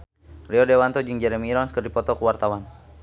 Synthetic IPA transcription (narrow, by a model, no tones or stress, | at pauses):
riɔdɛwant̪ɔd͡ʒɨŋd͡ʒɛɾɛmiːɾɔnskərdipɔt̪ɔkuwart̪awan